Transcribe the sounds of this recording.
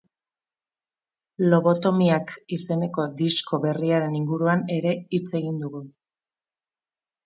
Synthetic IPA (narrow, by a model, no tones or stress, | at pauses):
lo̞β̞o̞t̪o̞miakise̞ne̞ko̞d̪isko̞βe̞riaɾe̞niŋɡuɾuane̞ɾe̞it͡se̞ɣind̪uɣu